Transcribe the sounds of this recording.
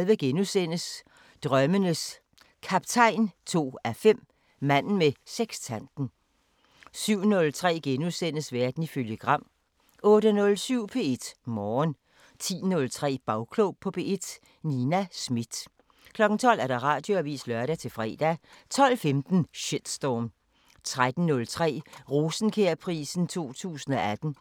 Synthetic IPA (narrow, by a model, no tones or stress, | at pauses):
lʋəɡ̥enusen̰əs | d̥ʁɶmənəs | kʰɑb̥t͡sʰɑ̈ɪ̰nt͡sʰo̝̰ːæfem̰ | mæn̰n̩meseɡ̥st͡sʰænd̥n̩ | syʊ̰nɔ̽lt͡sʰʁɛ̰ːɡ̥enusen̰əsʋæɐd̥n̩iføljəɡ̥ʁɑ̈m̰ | ɔ̽ːɾənɔ̽lsyʊ̰pʰe̝ːe̝d̥mɒːn | t͡sʰḭːnɔ̽lt͡sʰʁɛ̰ːb̥ɑ̈ʊkʰlopʰɒ̽b̥e̝̰ːe̝d̥ | ninæsmid̥ | kʰlɒ̽ɡ̥n̩t͡sʰɒ̽l̰æɐɾ̥ɑ̈ʁɑ̰̈ːd̥jo̝æʋḭːslœɐɾæt͡sʰe̝lfʁɛ̰ːd̥æt͡sʰɒ̽l̰femd̥n̩ɕed̥sd̥ɒːm | t͡sʰʁad̥n̩ːɔ̽lt͡sʰʁɛ̰ːʁo̝ːsn̩kʰeɐpʰʁḭːsn̩t͡sʰo̝̰ːt͡sʰṵːsn̩ɒ̽æd̥n̩